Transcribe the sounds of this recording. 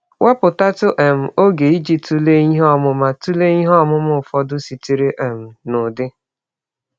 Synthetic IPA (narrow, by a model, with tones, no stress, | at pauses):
wʔa˦pʊ˨ta˦tʊ˦ʔe˨m̩˨o˦ɡe˨i˦d͡ʒi˦tu˦le˦i˦ɦɔ˦˨mʊ˦ma˨tu˦le˦i˦ɦɔ˦mʊ˦mʊ˦˨fɔ˦dʊ˦si˨ti˨ɾe˦ʔe˨m̩˨nʊ˨dɪ˦